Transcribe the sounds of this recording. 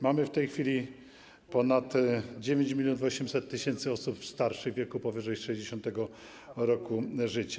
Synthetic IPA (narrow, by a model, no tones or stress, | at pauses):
mamɘft̪ɛjxfʲilʲi | pɔnat̪d͡ʑevʲjeɲd͡ʑmʲilʲjɔnuvɔɕɛmsɛt̪ːɘɕɛnt̪sɘɔsupfst̪aɾʂɘɣvʲjɛkupɔvɘʐɛjʂɛjd͡ʑeɕɔnt̪ɛɡɔ | ɾɔkuʐɘt͡ɕḁ